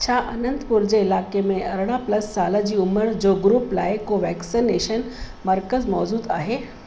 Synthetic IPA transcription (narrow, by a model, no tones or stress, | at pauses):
t͡ɕʰaʔɐnənt̪puɾd͡ʑeɪlaːkemẽʔɐɾɽ̃apləsːaːlad͡ʑiːʊməɾd͡ʑoɡɾuːplaːjekoʋɛksineʃən | məɾkəzmɔːzuːd̪a̰ːɦe